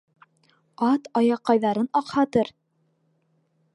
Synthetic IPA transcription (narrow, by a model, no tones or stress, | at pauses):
ɑt̪ɑjɑqːɑjðɑɾɤnɑqhɑt̪ɤɾ